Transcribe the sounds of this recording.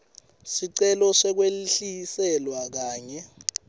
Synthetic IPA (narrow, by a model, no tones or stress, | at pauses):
siǀɛlɔʂɛk̬weliɬijisɛlwak̬aːɲɛ